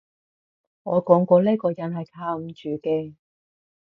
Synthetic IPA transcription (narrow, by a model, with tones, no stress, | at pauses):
ŋɔː˨˧kɔː˨˥ŋkɔː˧leː˥kɔː˧jɐ˨˥nhɐ˨jkʰaː˧m̩˨˧t͡ʃyː˨kɛː˧